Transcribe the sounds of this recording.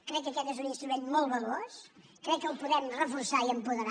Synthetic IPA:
kɾɛkːəkɛt̪ezuninst̪ɾumenmolˠβəlos | kɾɛkːəlˠpuðɛmrəfuɾsaiəmpuðəɾa

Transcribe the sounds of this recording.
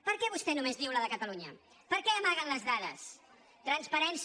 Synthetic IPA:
pəɾkɛβust̪ɛnumezðiwləðəkət̪əluɲə̰ | pəɾkɛəmaɣənləzðaʎəs | t̪ɾənspəɾɛns

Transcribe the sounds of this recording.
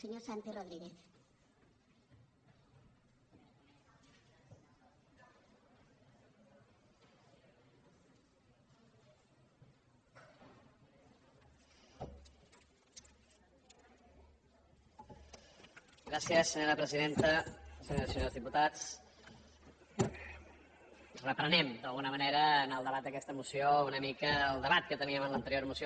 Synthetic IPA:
seɲosant̪iroðɾiɣeθ | ɡɾasiəsːəɲoɾəpɾəziðent̪əsəɲoɾəsəɲoɾzðiput̪at͡s | rəpɾənɛmd̪əlˠɣunəməneɾəːnəlˠd̪əβat̪̚d̪əkɛst̪əmusiounəmikəəlˠd̪əβat̪̚kət̪əniəmənlənt̪əɾioɾəmusio

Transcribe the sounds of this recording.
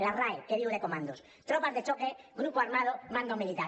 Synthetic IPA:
laraekeðiɣoðe̞ko̞mãnd̪os | t̪ɾopazðe̞t͡ʃokeɡɾupoaɾmað̞omãnd̪omilit̪a

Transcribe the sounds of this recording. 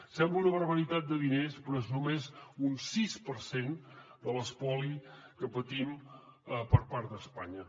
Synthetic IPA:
sɛmbləunəβ̞əɾβəɾit̪at̪̚d̪əðinespɾɔeznumezunsispəɾsend̪ələspɔlikəpət̪im | əpəɾpaɾt̪̚d̪əspaɲə

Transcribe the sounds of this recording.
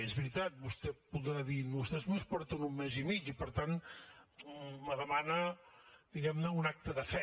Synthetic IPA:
ezβɾit̪at̪̚bust̪ɛpuðɾaðinust̪ɛzmespɔɾt̪unumːezimit͡ʃipəɾt̪an | məðəmanəd̪̥iɣɛmnəunak̚t̪əðəfɛ

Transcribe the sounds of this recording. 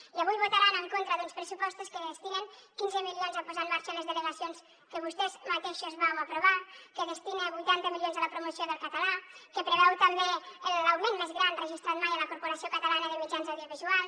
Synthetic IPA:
iaβujβot̪aɾanəŋkont̪ɾəðunspɾəsupɔst̪oskəðest̪ineŋkinzəmilijonzapuzanmaɾʃaləzðələɣasions | kəβ̞ust̪ɛzmat̪eʃozβawapɾuβakəðəst̪ineβujt̪ant̪əmiljonzaləpɾumusijoðəlˠkat̪alakəpɾəβɛwt̪əmbeəlawmenmezɣɾanrəʒist̪ɾat̪majaləkuɾpoɾasijokət̪alanəðəmid͡ʒanzawðioβizual

